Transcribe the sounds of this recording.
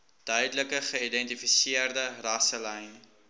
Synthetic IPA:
d̥œɥdələkəχəidɛntifisiərdərɐsəlɛjn

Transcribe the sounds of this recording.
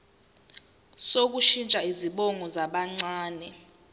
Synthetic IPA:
sok̬uʃint͡ʃʼaiziɓɔŋʱɔzaɓaŋ͡ǀaːnɛ

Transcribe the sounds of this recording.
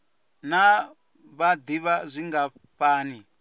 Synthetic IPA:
na | βad̪iβazʷiŋɡa | ɸaːni

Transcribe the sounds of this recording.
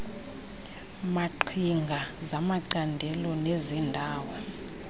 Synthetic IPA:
maǃʰiŋɡʱazamaǀandʱɛlɔnezindʱaːwɔ

